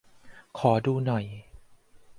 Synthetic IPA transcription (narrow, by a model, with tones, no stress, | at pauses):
kʰɔː˩˦duː˧nɔ˨˩j